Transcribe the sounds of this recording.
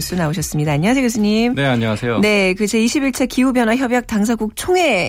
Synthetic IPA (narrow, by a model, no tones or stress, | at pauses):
ɭs͈unaoɕ̬ʰʌs͈ɯmɲidaːɲiŋasʰeɡes̬ʰɯɲimneaɲʌasʰejone̞kɯt͡ɕeiɕʰibiɭt͡ɕʰekiubjʌnwaçjʌbjak̚taŋs̬ʰaɡuk̚t͡ɕʰoŋe̞